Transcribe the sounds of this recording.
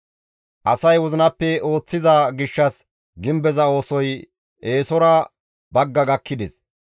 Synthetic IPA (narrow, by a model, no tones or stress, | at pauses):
ʔɐsɐjwɔzɪnɐpːɛo̞ːt͡sːɪzɐɡɪʃːɐs | ɡɪmbɛzɐo̞ːsɔj | e̞ːsɔɾɐ | bɐɡːɐɡɐkːɪd̪ɛs